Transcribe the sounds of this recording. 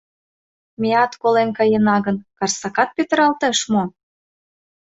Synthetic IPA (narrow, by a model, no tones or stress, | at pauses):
meɑt̪kolemkɑjenɑɣə̆nkɑrsɑkɑt̪̚pøt̪ə̆ɾɑlt̪eʃmo